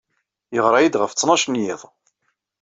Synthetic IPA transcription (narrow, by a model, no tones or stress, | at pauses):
jəʁɾˤɑjid̪ʁəft͡sːnɑʃnjɪðˤ